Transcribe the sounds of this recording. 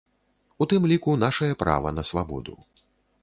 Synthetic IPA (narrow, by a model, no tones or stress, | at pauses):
ut̪ɨmlʲikunaʂɐjɐpɾa̰vɐ̰nɐsvabɔ̰d̪ṵ